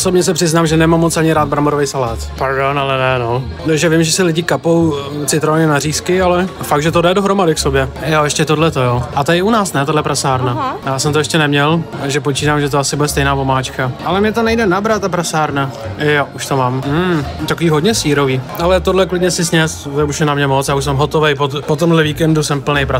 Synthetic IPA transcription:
sobɲɛs̬ɛpr̝̥ɪznaːmʒɛnɛmamːot͡sʔaɲɪɾaːd̪̚bɾamoɾovɛjsalaːt̪paɾdonalɛnɛno | nɛʒɛvɪmʒɛsɪlɪɟɪkapo̞wt͡sɪt̪ɾovaɲɛnariːskɪalɛfak̚ʒɛt̪odɛdoɦɾo̞madɪksobjɛjojɛʃcɛt̪odlɛt̪ojoːʔat̪oɪunaːsnɛt̪adlɛpɾasaːɾnajaːsɛmt̪oɛʃcɛnɛmɲɛlt̪aɡʒɛpot͡ʃiːtaːmʒɛt̪̬oasɪbudɛst̪ɛjnaːpo̞maːt͡ʃkaʔalɛmɲɛt̪onɛjdɛnabɾat̪t̪ːapɾasaːɾnajoʔuʃt̪omaːmm̩t̪akoviːɦodɲɛsiːɾo̞viːʔalɛt̪odlɛklɪdɲɛsɪsɲɛsɛuʃnɛnamɲɛmot͡sjaːuʃs̬ɛmɦot̪ovɛjpopot̪omɦlɛviːkɛndusɛmpl̩nɛjpɾa

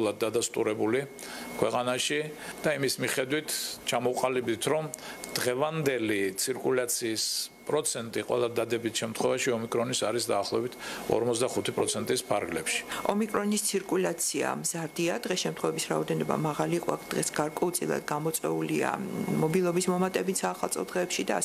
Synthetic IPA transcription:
lˠad̪̚ːad̪ast̪ʼuɾɛbuli | kʰwɛqʼanaʃid̪̥aimismiχɛd̪wit̪ʰt͡ʃʰamɔqʼalib̪it̪ʰɾɔmd̪̥ʁɛvand̪ɛlit̪sʰiɾkʼulat̪sʰiːspʼɾɔt̪sʰɛnt̪ʼiqʼwɛ̰lˠad̪ad̪ɛbit̪ʰʃɛmt̪ʰχwɛvaʃiɔmikʼɾɔnisaɾisd̪aːχlˠɔɛbit̪ʰɔ̰ɾmɔt̪sd̪aχut̪ʰipʼɾɔt̪sʰɛnt̪ʼispʰaɾɡlɛpʃi̥ɔmikʼɾɔnist̪sʰiɾkʼulat̪sʰia̰mz̥aɾd̪iad̪ʁɛsʃɛmt̪ʰχwɛvɛbisɾaɔd̪ɛnɔba̰maʁaliːqʼɔakʰd̪̥ʁɛsɡ̥aɾkʼɔut̪sʼilˠa̰d̪ɡamɔt̪sʼɛ̰ulia̰mɔbilˠɔbismɔmat̪ʼɛbit̪ʰsaːχalˠsʼʰɔd̪ʁɛːpʃid̪a

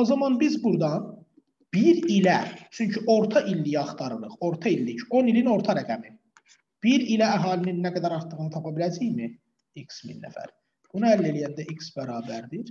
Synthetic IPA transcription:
o̞zɑmɑnbizbuɾd̪ɑn | b̥iɾilæt͡ʃʰyɲcʰyʔo̞ɾt̪ʰɑʔilːijɑχt̪ʰɑɾɯlˠɯχo̞ɾt̪ʰɑilːiço̞nilino̞ɾt̪ʰɑɾæɡæmin | b̥iɾilææɦɑːlininːæɡæd̪æɾɑɾt̪ɯɣɯnɯt̪ʰɑpʰɑbilæd͡ʒijmi | iksmḭnːæ̰fæ̰ɾ | b̥unuælːelijænd̪æʔiksbæɾɑːbæɾd̪iɾ

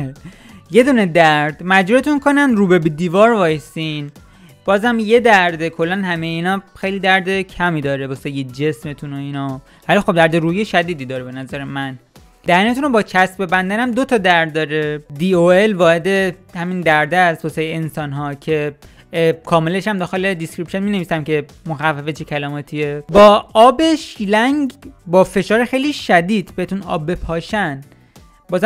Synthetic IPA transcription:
je̞d̪uːned̪æɾd̪mæd͡ʒɾut̪unkʰo̞nænɾuːbebed̪iːvɒːɾvɒːjsin | b̥ɒːzæmje̞d̪æɾd̪ekʰo̞lːænɦæmejeiːnɒxe̞jliːd̪æɾd̪ecʰæmiːd̪ɒːɾebɒːsejed͡ʒesmet̪ʰunoinɒ | vælixob̚d̪æɾd̪eɾuːjeʃæd̪iːd̪iːd̪ɒːɾebe̞næzæɾemæn | d̪̥æɾnet̪unobɒːt͡ʃʰæsbe̞bænd̪ænæmd̪o̞t̪ʰɒd̪æɾd̪ːɒːɾed̪iːoelvɒːhe̞d̪e̞hæmind̪æɾd̪eæsʰosejeensɒːnɦɒːcʰe̞ | kʰɒːmele̞ʃæmd̪ɒːxe̞led̪iskɾipʃonmiːne̞viːsæmce̞ | moxævːæfet͡ʃʰecʰælɒːmɒːt̪ʰiebɒːɒːbe̞ʃiːlæŋɟbɒːfe̞ʃɒːɾexe̞jliʃæd̪iːd̪beet̪unɒ̰ːbːe̞pʰɒːʃæn | bɒːz

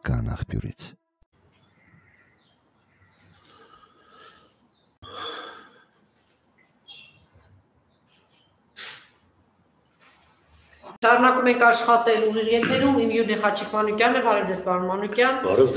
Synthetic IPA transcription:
kɑ̰nɑ̰χpjṵɾḭt͡sʰ | ʃɑɾnɑkumɛŋkʰɑʃχɑt̪ɛluʁiʁjɛt̪ʰɛɾumimjuɾnɛχɑt͡ʃʰikʰmɑnukjɑnːəvɑɾɛvd͡zɛspɑɾunmɑnukjɑnvɑ̰ɾɔv

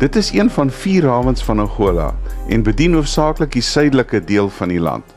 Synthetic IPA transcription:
d̥ətəsiənfɐnfiːrɑːvənsfɐnɑχuəlɐ̰ɛ̰nbədinuəfsɑːkləkdisœjdələkədiəlˠfɐnilɐ̰nt

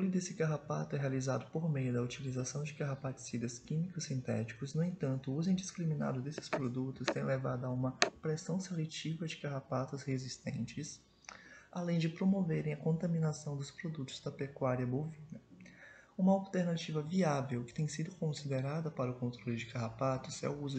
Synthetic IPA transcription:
t̪ɾolʊd̪esɪkaɦapat̪ʊɛɦealizad̪ʊpoɾmejʊd̪ɐut͡ʃilizasɐ̃w̃d͡ʒɪkaɦapat̪ɪ̥sid̪ɐskĩmikʊsːĩnt̪ɛ̰t͡ʃi̥kʊznʊẽnt̪ɐ̃nt̪ʊuzẽj̃d͡ʒiskɾimĩna̰d̪ʊd̪esɪ̥spɾod̪ut̪ʊst̪ẽj̃levad̪ʊɐũmɐpɾɛsɐ̃w̃selet͡ʃivɐd͡ʒɪkaɦapat̪ɐshezist̪ḛ̃nt͡ʃɪs | alẽj̃d͡ʒɪpɾomoveɾẽj̃ɐkõnt̪ɐmĩnasɐ̃w̃d̪ʊspɾod̪ut̪ʊ̥zd̪ɐpekwaɾiɐbovĩnɐ | ũmɐawt̪eɾnat͡ʃivɐviavewkɪ̥t̪ẽj̃sid̪ʊkõsid̪eɾad̪ɐpaɾɐʊkõnt̪ɾolɪd͡ʒɪkaɦapat̪ʊsɛ̰uzʊ

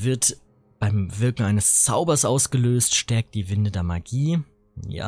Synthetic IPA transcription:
vɪɐt | b̥aɪmvɪɐkŋ̩aɪnəst͡saʊbɐsʔaʊsɡ̥əløːstʃtɛɐk̚t̚d̥iːvɪndədeːɐmaɡiː | ja̰ː

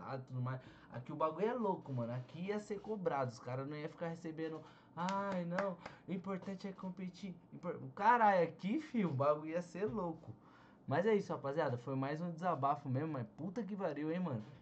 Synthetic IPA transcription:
a̰d̪ʊt̪ud̪ʊmajs | a̰kiʊbaɡũjɛlokʊmɐ̃nʊakiiɐseɾkobɾad̪ʊʊskaɾɐnɐ̃w̃ɛfi̥kahesebẽnd̪ʊ | ajnɐ̃w̃ʊĩpoɾt̪ɐ̃nt͡ʃɪɛkɪ̥kõpet͡ʃiĩpoɾkaɾajakifĩʊbaɡujiɐseɾlokʊ | mɐzɛisʊapaziad̪ɐfojmajzũd̪ɪzabafʊmẽzmʊmaput̪ɐk̬ɪvaɾiwẽj̃mɐ̃nʊ

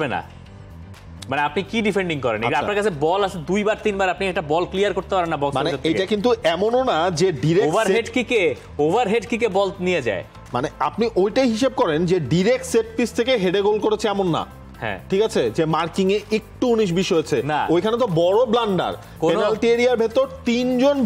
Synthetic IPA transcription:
bena̰ | maneapnikiɖifeɳɖiŋkɔɾḛneapnaɾkat͡ɕʰebɔlat͡ɕʰed̪ujbaɾt̪inbaɾapniɛk̚ʈabɔlklijaɾkoɾt̪epaɾenːabɔkmaneott̪ejkʈakint̪̬uɛmononad͡ʑeɖiɾekobaɾɦeɖkike | obaɾɦeɖkikebɔlt̪nijed͡ʑa̰e | ma̰neap̚niʔojʈajɦiʃeb̚kɔɾend͡ʑeɖiɾek̚ʈseɾpfist̪ʰekeɦeɖeɡolkoɾet͡ɕʰeɛmonːa̰ | hɛ̰̃ʈʰikat͡ɕʰed͡ʑemaɾkiŋeek̚ʈuuniʃ̬biʃɔet͡ɕʰenaojkʰanet̪̬obɔɽoblaɳɖa̰ɾ | koennalʈieɾiaɾbʱet̪oɾt̪ind͡ʑon

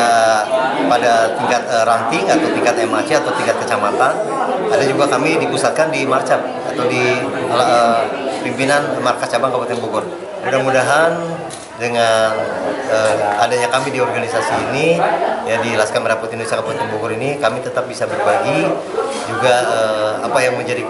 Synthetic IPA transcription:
a | padat̪iŋkat̪̚əɾant̪ɪŋat̪awt̪iŋkat̪ɛmat͡ʃiat̪awt̪iŋkat̪̚kət͡ʃamat̪anadad͡ʒuɡakamidipusat̪̚kandimart͡ʃap̚ | a̰t̪awdilaəpimpinanmarkat͡ʃabaŋkapant̪ɛnbuɡʊr | mudahmudaɦan | dəŋanəadaɲakamidiɔrɡanisasiːnijadilaskamiɾaput̪indusakapant̪ɛnbuɡʊɾinikamit̪ət̪ap̚bisabərbaɡi | d͡ʒuɡaəapajaŋməɲd͡ʒadi

